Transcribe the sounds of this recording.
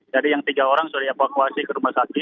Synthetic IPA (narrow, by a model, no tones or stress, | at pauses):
d͡ʒadijaŋt̪iɡaoɾaŋsuadiefakuasikəɾumasakɪ